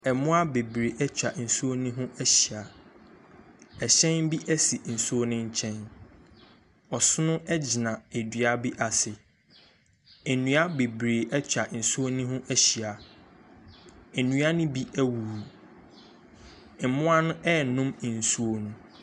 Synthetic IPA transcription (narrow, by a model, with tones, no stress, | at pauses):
ɛ˨mʊ̃˦a˦be˨bɾe˨ʔɛ˦t͡ɕᶣa˨n̩˨su˦o˦nĩ˦ɦʊ̃˦ʔæ˦ɕi˨a˨ | ɛ˨ɕɛ̃˦nbi˦ʔæ˦si˨n̩˨su˦o˦nɪ̃˦ɲ̩˦t͡ɕʰɛ̃˦n | ɔ˨sʊ˦nʊ̃˦ʔɛ˦d͡ʑi˨nã˨e˨dɥa˨bi˦ʔa˨sɪ˨ | ɛ˨nũ˨a˦be˨bɾeː˨ʔɛ˦t͡ɕᶣa˨n̩˨su˦o˦nĩ˦ɦʊ̃˦ʔæ˦ɕi˨a˨ | ɛ˨nũ˨˦a˦nʊ̃˦bi˦ʔæ˦wu˨u˨ | m̩˨mʊ̃˦a˦nʊ̃˦ʔɛ˦˨nʊ̃˦m˨n̩˨su˦o˦˨nũ˨